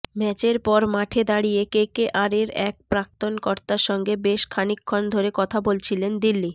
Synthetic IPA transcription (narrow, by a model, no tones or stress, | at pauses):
mɛt͡ɕeɾpɔɾmaʈʰed̪aɽiekekeʔaɾeɾɛk̚pɾak̚t̪onkoɾt̪aʃɔŋɡebeʃkʰanikʰːond̪ʱoɾekɔt̪ʰabolt͡ɕʰilend̪ilːi